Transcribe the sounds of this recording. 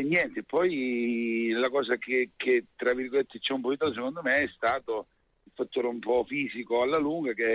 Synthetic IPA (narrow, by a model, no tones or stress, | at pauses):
ɲːjɛnt̪epːɔj | lakɔːsak̟ekʰːet̪ːɾavːirɡolet̪ːet͡ʃːɛumpɔd̪it̪aosekond̪omeɛst̪aːt̪o | ilfat̪ːoːɾeumpɔfiːzikoalːaluŋɡak̟e